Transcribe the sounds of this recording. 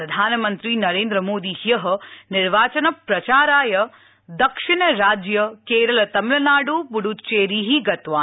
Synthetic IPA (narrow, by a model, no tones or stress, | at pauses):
ɾɐd̪ʱaːnɐmɐnt̪ɾinɐɾeːnd̪ɾɐmoːd̪ihijɐɦɐnɪɾʋaːt͡ʃɐnɐpɾɐt͡ʃaːɾaːjɐ | d̪ɐkʂiɳɐɾaːd͡ʒjɐkeːɾɐlɐt̪ɐmɪlɐnaːɽubuɽut͡ʃeːɾiːɦiɡɐt̪ʋaː